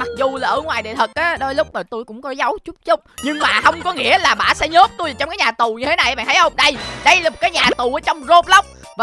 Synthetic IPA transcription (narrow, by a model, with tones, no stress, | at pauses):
ma˨˩k̚zu˨˩laː˨˩ʔəː˧˩˦ŋwaː˨˩jɗḛ˨t̪ʰə˨˩ʔaː˨˦ɗo˧jlʊ˦˥k͡p̚nəː˨˩t̪u˧jkʊ̰˧˥ŋ͡mkɔ˨˦za˨˦wt͡ɕu˦˥k͡p̚t͡ɕʊ˦˥k͡p̚ɲɨ˧ŋmaː˨˩hə˧wŋ͡mkɔ˨˦ŋḭ˧˥əlaː˨˩ɓaː˧˩sɛ̰˧˥ɲo˦˥p̚t̪u˧jaː˨˩t͡ɕɔ˧ŋ͡mkːɲaː˨˩t̪u˨˩ɲɨ˧t̪ʰe˨˦na˨˩jə˨ɓa̰ː˧˨nt̪ʰːjʔə˧wŋ͡mɗə˧jɗə˧jlaː˨˩mo˨˩t̚kaː˨˦jɲaː˨˩t̪u˨˩ʔəː˨˦t͡ɕɔ˧wŋ͡mzo˨˥p̚lə˦˥wk͡p̚ | v